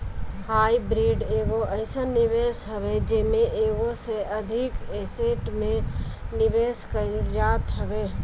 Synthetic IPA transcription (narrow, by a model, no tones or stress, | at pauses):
haːibɾiːɖeːɡoʔəɪsənɪʋeːsɦəʋed͡ʒemẽʔeːʋoseʔɐd̪ʱɪkeseʈmẽ | nɪʋeːskəid͡ʒaːt̪ɦəʋeː